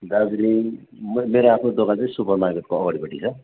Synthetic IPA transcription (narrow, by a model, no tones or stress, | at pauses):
d̪ad͡zɾi | mmeɾoapʰnod̪oɡat͡saĩsupʌrmaɡʌt̪̚koʌɡʌɽibʌʈit͡sʰʌ